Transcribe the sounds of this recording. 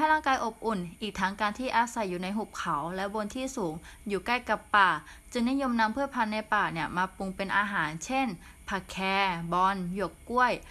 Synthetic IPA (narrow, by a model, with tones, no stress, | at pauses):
a˥˩ɾaː˥˩ŋkaː˧jʔo˨˩p̚ʔu˨˩nʔiː˨˩k̚t̪ʰa˦˥ŋkaː˧nt̪ʰiː˥˩ʔaː˧sa˨˩jːuː˨˩na˧jɦu˨˩p̚kʰa˩˦wlɛ˦˥bo˧nt̪ʰiː˥˩suː˩˦ŋjuː˨˩kla˥˩jka˨˩pːaː˨˩ | t͡ɕɯ˧ŋni˦˥jo˧mna˦˥mpʰɯ˥˩əpʰa˧nːa˧jpaː˨˩ni˥˩ɐmaː˧pu˧ŋpe˧nʔaː˧ɦaː˩˦nt͡ɕʰe˥˩n | pʰa˨˩kʰɛː˧bɔ˧nju˨˩əkku˥˩əj